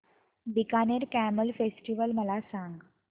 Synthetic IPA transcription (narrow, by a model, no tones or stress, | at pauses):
d̪ikaneɾkæməlfesʈiʋəlməlasãŋɡ